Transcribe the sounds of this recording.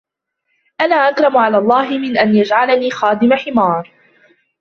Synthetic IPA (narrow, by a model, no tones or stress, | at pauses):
ʔanaːʔakɾˤɑmʊʕalaːlˤːɑːɦɪmɪnʔanjad͡ʒʕalaniːxaːd̪ɪmaħɪmɑːɾˤ